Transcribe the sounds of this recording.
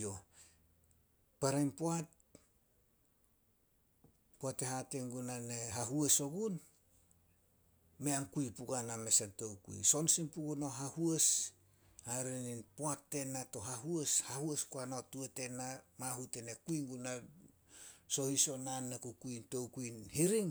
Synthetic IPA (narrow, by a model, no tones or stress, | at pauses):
o̞ | paɾajnpoat̚ | poate̞ɦate̞ŋɡunaneɦaɦueso̞ɡun | me̞aŋkuipuɡanamesento̞wkṵḭso̞nsinpuɡuno̞ɦahues | haɾeninpoatːe̞nato̞ɦaɦueshahueskuanaotuete̞namahutene̞kuiŋɡuna | so̞hiso̞nanːekukuinto̞wkuinhiɾiŋ